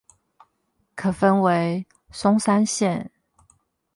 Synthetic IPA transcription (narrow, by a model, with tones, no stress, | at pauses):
kʰɤ˨˩fə˦nwe˧˦ɪ | sʊ˥ŋsa˥nɕjɛ˥˨n